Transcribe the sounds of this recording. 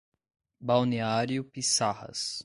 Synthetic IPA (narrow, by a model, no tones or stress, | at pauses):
bawneaɾjʊpisahɐ̰s